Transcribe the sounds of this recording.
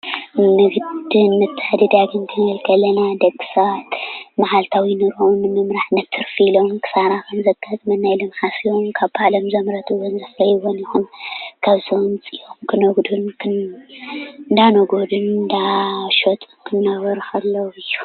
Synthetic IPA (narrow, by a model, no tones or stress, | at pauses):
mɨɡd̪ɨnmɨt̪ʰːɨħd̪id̪aɡɨnkʰɨɡɐlkʰɐlɐnad̪ɐɡːɨ̥sɐβat̪maħalt̪ʰawinɨɾʔunːɨmɨmɾaħnɐt̪ʰːɨɾfilo̞mkʰɨ̥saɾaxɐmzɐɡʰazʼmɐnːajlɨmħasijomkʰaβbalɐmzɐmɾɐt̪ɨwɔnzɨflɐjwonjixunkʰaβzont͡sʼijomkʰɨnoɡd̪unkʰɨ | nd̪anoɡod̪unnd̪aʃot̪ʼɨkʰɨnːɐβɐɾxʰɐlːowɨjːu̥